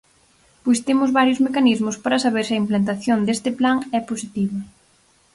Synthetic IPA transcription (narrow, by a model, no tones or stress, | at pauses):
pojst̪emʊzβaɾjʊzmekanizmʊspaɾɐsaβeɾsiɐimplant̪̬aθjond̪est̪ɪplaŋɛposit̪iβɐ